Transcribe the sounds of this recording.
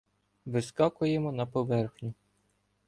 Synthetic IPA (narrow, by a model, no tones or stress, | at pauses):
ʋɪskɑkʊjemɔnɐpɔʋɛrxnʲʊ